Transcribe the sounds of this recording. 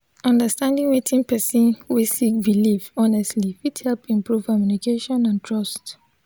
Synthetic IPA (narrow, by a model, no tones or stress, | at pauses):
ɔ̃ndəstãndĩŋwetʰĩnpɛsĩnwisik̚bilifɔnɛstlifithɛlpĩmpɹuv̥kɔmjunikeʃɔ̃nãntʰɹɔst